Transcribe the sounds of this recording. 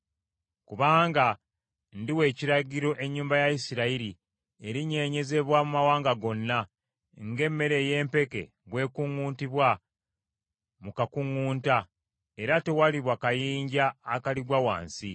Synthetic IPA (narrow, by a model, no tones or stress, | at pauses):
kuβaːŋɡa | ndiwe̞ːciɾaɟiɾo̞ʔe̞ɲːuːmbajaisiɾaiɾi | e̞ɾiɲe̞ːɲe̞ze̞βwamumawaːŋɡaɡo̞nːa | ŋɡe̞mːe̞ɾe̞ːje̞ːmpe̞ke̞̰ | βwe̞ːkuŋuːntiβwa | mukakuŋːuːnta | e̞ɾate̞waliβwakajiːɲɟaːkaliɡwawa̰ːnsi